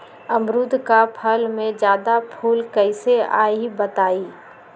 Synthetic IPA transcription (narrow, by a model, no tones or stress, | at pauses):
ɐmɾʊd̪ʱkapʰəlmẽd͡ʒjaːd̪apʰuːlkəɪsea̰ːibət̪aːiː